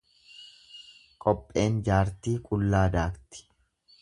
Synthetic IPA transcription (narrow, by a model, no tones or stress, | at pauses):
kʼɔpʼːe̞ːnd͡ʒaːɾt̪iːkʼʊlːaːd̪aːkt̪ɪ̥